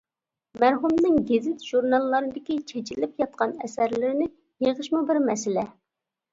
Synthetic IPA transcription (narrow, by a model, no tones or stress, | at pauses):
mæɾɦumnɨŋɡʲezɪt̪ʒ̥uɾnɑlˠːɑɾɨd̪ɪkʲit͡ʃʰet͡ʃʰilɪpjɑt̪̚qɑnɛsæɾlɪɾɪnɪ | jeʁəʃmɨbɪɾmɛsɪlɛ